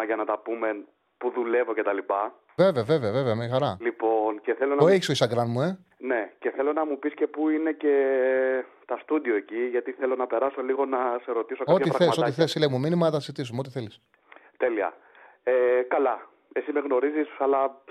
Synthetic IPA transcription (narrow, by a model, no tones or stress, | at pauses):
ɐʝɐnɐt̪ɐpume̞n | puðule̞vo̞ce̞t̪ɐlipɐ | ve̞veɐve̞ve̞ɐve̞ve̞ɐmeɐxɐɾɐlipo̞nce̞θelo̞nɐoeçisoisɐɡɾɐnmue̞ | ne̞ce̞θe̞lo̞nɐmupisce̞puine̞ce̞ | t̪ɐst̪ud̪io̞eciʝɐt̪iθelo̞nɐpe̞ɾɐso̞liɣo̞nɐse̞ɾo̞t̪isokɐo̞tɐiɾɐθesɐsot̪iθesilejmuminimɐɐt̪ɐsizit̪isumeo̞t̪iθe̞lis | t̪e̞liɐ̰ | ekɐlɐ | esimeɣno̞ɾizisɐlɐ